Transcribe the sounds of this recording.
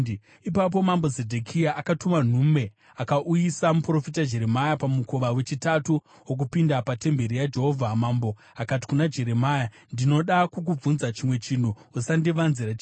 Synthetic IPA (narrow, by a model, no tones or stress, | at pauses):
ipap̬o̞mambozedʱekʰijaʔakatuman̤ume̞ | akaʔujisamupro̞fitad͡ʒe̞ɾe̞majapamuko̞ʋawe̞t͡ʃitatu | wok̬upindapate̞mbe̞ɾijad͡ʒe̞ɦo̞vʱamambo | akati̥kunad͡ʒe̞ɾe̞maːja | ndino̞ɗakuk̬ub͡vunzat͡ʃimwe̞t͡ʃin̤uusandiʋanzirat͡ʃ